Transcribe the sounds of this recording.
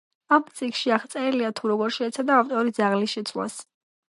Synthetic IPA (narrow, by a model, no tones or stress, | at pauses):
amt̪sʼikʰʃiaχt̪sʼɛliat̪ʰuɾɔɡɔɾʃɛːt̪sʰad̪aːft̪ʼɔɾid̪zaʁlisʃɛt̪sʰla̰s